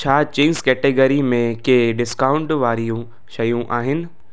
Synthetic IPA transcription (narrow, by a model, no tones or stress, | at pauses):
t͡ɕʰaːt͡ɕẽːnzkɛːʈeɡəɾimẽkeɖɪskaːʊ̃ɳʈʋaːɾijũ | ʃɐjũʔaːɦɪnɪ̆